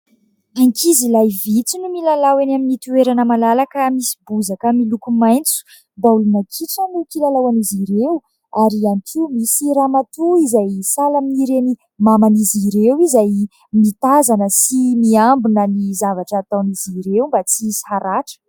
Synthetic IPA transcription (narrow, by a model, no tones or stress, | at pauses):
aŋkʰizilajvit͡sinumilalawenaminit̪ueɾanəmalalakəmisi̥buzakəmilukumajnt͡su̥ | baulunakʰiʈ͡ʂənukilalawaniziɾew | aɾianikʰimisiɾamat̪uizajsalamiɾeni | mamaniziɾewizaj | mit̪azanəsimiambinənizavaʈ͡ʂaːt̪awniziɾewmbat͡sishaɾaʈ͡ʂə̥